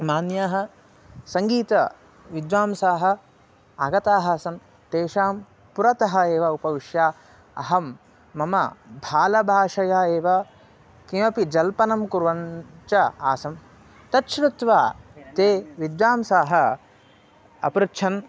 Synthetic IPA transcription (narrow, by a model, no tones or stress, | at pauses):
maːnjaːɦɐ̆ | sɐŋɡiːt̪ɐ | ʋid̪ʋaːmsaːɦɐ̆ | aɡɐt̪aːɦɐsɐm | t̪eːʃaːm | puɾɐt̪ɐɦɐeːʋɐupɐʋiʂjaː | ɐ̰ɦɐmː | ɐmɐ̰bʱaːlɐbʱaːʂɐjaːeːʋɐ | kimɐpid͡ʒɐlpɐnɐmkuɾʋɐɲt͡ʃɐaːsɐm | t̪ɐt̪ʃɾut̪ʋaːt̪eːʋid̪ʋaːmsaːɦɐ | ɐ̰pɾutʃʰɐn